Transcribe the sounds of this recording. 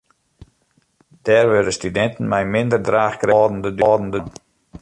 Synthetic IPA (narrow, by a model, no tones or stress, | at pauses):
d̥ɛːrʋødəstydɛntən̩mɛjmɪndərdraːχkrɛːdən̩dədɔːdn̩dən